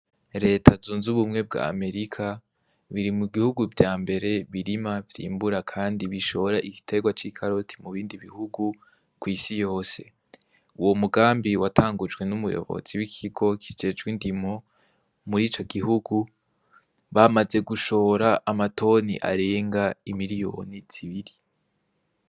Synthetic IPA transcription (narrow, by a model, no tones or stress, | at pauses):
ɾe̞ːtʰazuːnzuβumŋe̞b̚ɡa̰ːme̞ɾikʰa | βiɾimuɡihuɡuvjaːmbe̞ɾe̞βiɾimavjḭːmbuɾakʰaːndiβiʃoβoɾaʔiɡ̥i̥tʰe̞ɡwat͡ʃikʰaɾotʰi̥muβiːndiβihuɡu | kwiːsijo̞ːse̞̰ | uwo̞muɡaːmbiwatʰaːŋɡud͡ʒɡwe̞numujo̰βo̞̰z̥iwikʰiɡo̞kʰi̥d͡ʒe̞d͡ʒɡwindimo̞ | muɾiːt͡ʃo̞ɡiɦuɡu | βamaze̞ɡuʃo̞ɾaʔːmatʰo̞ːnḭʔa̰ɾe̞ːŋɡaimiɾijo̞̰ːniz̥iβiɾi